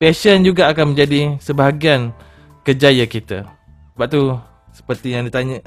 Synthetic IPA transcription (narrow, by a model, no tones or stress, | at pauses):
pɛsənd͡ʒuɡaːkanmə̃ɲd͡ʒadisəbaɦaɡian | kərd͡ʒajakit̪a̰ | səbap̚t̪u | sə̥pərt̪ijaŋdit̪aɲa